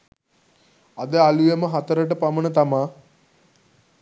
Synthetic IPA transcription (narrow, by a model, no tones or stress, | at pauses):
ad̪əalujeməɦat̪əɾəʈəpamənət̪amaː